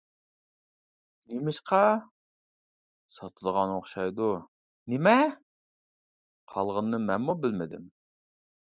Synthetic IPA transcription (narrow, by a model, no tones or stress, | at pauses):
nemɪʃqʰɑ | sɑt̪ʰɨd̪əʁɑnoχʃɑjd̪u | nɪmɛ | qʰɑlˠʁənːɨmɛnmubɪlmɪd̪ɪ̰m